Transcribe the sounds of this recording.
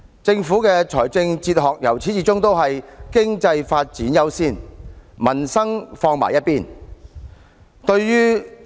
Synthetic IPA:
t͡sɪ˧ŋfu˨˥kɛː˧t͡sʰɔː˨˩jt͡sɪ˧ŋt͡siː˧t̚ɦɔː˨k̚jɐ̰˨˩wt͡sʰiː˨˥t͡siː˨˥t͡sʊ˥ŋt̪o˥wɦɐ˨jkɪ˥ŋt͡sɐ˧jfaː˧t̚t͡siː˨˥njɐ˥wsiː˥nmɐ˨˩nsɐ˥ŋfɔː˧ŋma̰ː˨jɐ˥t̚piː˥˩n | t̪ɵ˧ɥjyː˥

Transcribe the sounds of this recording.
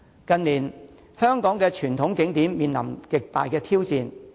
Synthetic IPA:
kɐ˧nliː˨˩n | hœː˥ŋkɔː˨˥ŋkɛː˧t͡ʃʰyː˨˩nt̪ʰʊ˨˥ŋkɪ˨˥ŋt̪iː˨˥mmiː˨nlɐ˨˩mkɪ˨k̚t̪a̰ː˨jkɛː˧t̪ʰiː˥wt͡siː˧n

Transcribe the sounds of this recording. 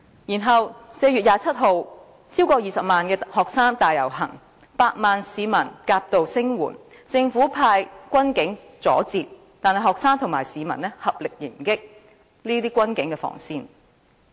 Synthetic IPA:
jiː˨˩nɦɐ˨wse˧jɥy˨t̚jaː˨˧t͡sʰɐ˥t̚ɦo˨w | t͡sʰiː˥wkɔː˧jiː˨sɐ˨p̚maː˨nkɛː˧hɔː˨ksaː˥ŋt̪aː˨jɐ˨˩wɦɐ˨˩ŋ | paː˧t̚maː˨nsiː˨˧mɐ˨˩nkaː˧p̚t̪o˨wsɪ˥ŋwuː˨˩n | t͡sɪ˧ŋfu˨˥pʰaː˧jkʷɐ˥nkɪ˨˥ŋ | t͡sɔ̰ː˨˥t͡siː˨˧t̚ | t̪aː˨nhɐ˨˩jɦɔː˨k̚saː˥ŋt̪ʰʊ˨˩ŋma̰ː˨˩jsiː˨˧mɐ̰˨˩nlɛ˥hɐ˨p̚lɪ˨k̚jɪ̰˨˩ŋkɪ˥k̚ | niː˥t̪iː˥kʷɐ˥nkɪ˨˥ŋkɛː˧fɔ̰ː˨˩ŋsiː˧n

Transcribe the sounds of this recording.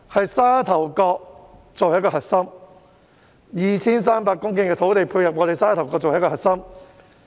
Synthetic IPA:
hɐ˨jsaː˥t̪ʰɐ˨˩wkɔː˧k̚ | t͡so˨wjɐ˥kɔː˧ɦɐ˨t̚sɐ˥m | jiː˨˩t͡sʰiː˥ns̬aː˥mpaː˧kːʊ˥ŋkɪ˥ŋkɛː˧t̪ʰo˨˥wt̪e˨jpʰuː˧jhɐ˨p̚ŋɔː˨˧t̪e˨˩jsaː˥t̪ʰwkɔː˧kt͡so˨jɐ˥kɔː˧ɦɐ˨t̚sɐ˥m

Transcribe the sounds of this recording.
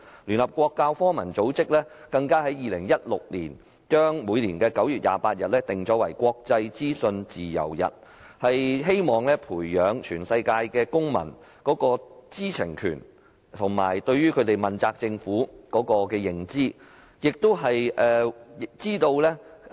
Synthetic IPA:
lyː˨˩nhɐ˨p̚kʷɔː˧kːaː˧wfɔː˥mɐ˨˩nt͡so˨˥wt͡sɪ˥k̚lɛː˥kɐ˧ŋkaː˥hɐ˨˥jiː˨˧lɪ˨˩ŋjɐ˥t̚lʊ̰˨k̚lḭː˨˩n | t͡ʃœː˥ŋmuː˨˧jliː˨˩nkɛː˧kɐ˨˥wjyː˨˩t̚ja̰ː˨˧paː˧t̚jɐ˨t̚lɛː˥t̪ɪ˨˩ŋt͡sɔː˨˥wɐ˨˩jkʷɔː˧k̚t͡sɐ˧jt͡siː˥sɵ˧nt͡siː˨jɐ̰˨˩wjɐ̰˨t̚ | hɐ˨jɦe˥jmɔː˨ŋlɛː˥pʰuː˨˩jːœː˨˧ŋt͡ʃʰyː˨˩nsɐ˧jkaː˧jkɛː˧kʊ˥ŋmɐ̰˨˩n | kɔː˨˥kɔː˧t͡siː˥t͡sʰɪ˨˩ŋkʰy̰ː˨˩n | t̪ʰʊ˨˩ŋma̰ː˨˩jt̪ɵ˧ɥɥyː˥kʰɵ˨˧t̪e˨jmɐ˨˩nt͡saː˧k̚t͡sɪ˧ŋfuː˨˥kɔː˨˥kɔː˧kɛː˧jɪ˨˩ŋt͡siː˥ | jɪ˨k̚t̪o˥wɦɐ˨jʔɛː˨t͡siː˥t̪o˧wlɛ˥

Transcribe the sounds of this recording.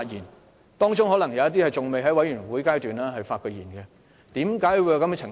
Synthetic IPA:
t̚jḭː˨˩n | t̪ɔː˥ŋt͡sʊ˥ŋhɔː˨˥lɐ˨˩ŋjɐ˨˧wɐ˥t̪i˥hɐ˨jt͡sʊ˨ŋme˨jɦɐ˨˥jwɐ˨˥jyː˨˩nwuː˨˥jkaː˥jt̪yː˨naː˥ɦɐ˨jfaː˧tkɔ˨˧jiː˨˩nkɛ˧ | t̪iː˨˥mkaː˨˥jwu˨˧ja˧kɐ˨˥mɛ˧˥t͡sʰɪ˨˩ŋ

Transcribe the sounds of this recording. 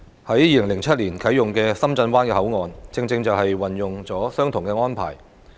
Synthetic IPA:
hɐ˨˥jːiː˧lɪ˨˩ŋlɪ˨˩ŋt͡sʰɐ˥t̚liː˨˩nkʰɐ˨˥jʊ˨˩ŋkɛː˧sɐ˥mt͡sɐ˧nkwaː˥nkɛː˧ɦɐ˨˥wŋɔː˨˧nt͡sɪ˧ŋt͡sɪ˧ŋt͡sɐ˨wɦɐ˨jwɐ˨njʊ˨ŋt͡sɔː˨˥sœː˥ŋt̪ʰʊ˨˩ŋkɛː˧ŋɔː˥npʰa̰ː˨˩j

